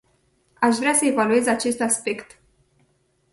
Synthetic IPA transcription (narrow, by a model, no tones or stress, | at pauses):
aʃ̬vɾeasəe̞value̞zat͡ʃe̞st̪aspe̞kt̪